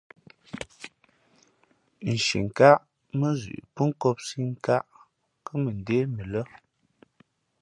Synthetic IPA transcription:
n̩˨ʃḭ˨ŋ̩˨ka˦ʔ | mə˦zʉ̰˨ʔpə˦ŋ̩˦kɔ˦p̚si˦ŋ̩˦˨ka˦ʔ | kə˦mə˨n̩˨de˦mə˨lə˦

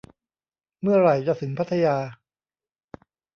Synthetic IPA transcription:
mɯ˥˩ɐɾa˨˩jt͡ɕa˨˩sʰɯ˨˩˦ŋpʰa˦˥t̪ʰːa˧jaː˧

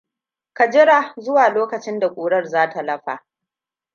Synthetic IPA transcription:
kɐ˨d͡ʒɪ˦ɽa˨zʊ˦waː˨loː˦kɐ˨t͡ʃɪ˦nda˨kʷʼuː˨ɽɐ˦rzaː˦ta˨lɐ˦ɸa̰ː˨

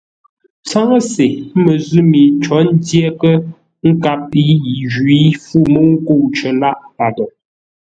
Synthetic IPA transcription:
t͡sa˦ŋə˦se˨˦mə˨zʉ˦mi˨t͡ʃɔ˨˦n̩˦dje˦kə˦ | ŋ̩˦ka˦˨p̚i˦ji˨ʒwi˨˦fu˦˨mə˦ŋ̩˦ko˦˨t͡ʃə˨la˦ʔpa˨də˨

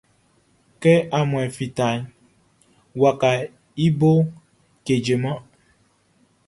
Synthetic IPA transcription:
kɛ˦a˨mwɛ˨fi˨ta˨ɲ˦ | wa˨ka˨ | i˦bo˦ | ke˨d͡ʒe˨mã˦

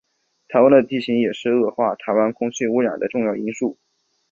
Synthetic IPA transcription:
t̪ʰa˧˥ɪwa˥nd̪ə˧t̪i˥˩ɕi˧˥ŋjɛ˨˩ʂɻ̩˥˧ɤ˥˧xwa˥˩t̪ʰa˧˥ɪwa˥nkʰʊ˥ŋɕy˥˩u˧˥ɻa̰˨˩d̪ə˦ʈ͡ʂʊ˥˧ŋjɑ˥˩ʊi˥ŋʂu˥˩

